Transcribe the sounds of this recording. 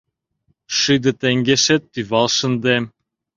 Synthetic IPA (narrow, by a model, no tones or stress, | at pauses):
ʃɯd̪ɤ̆t̪eŋɡeʃet̪ːyβɑlˠʃɤ̆nd̪em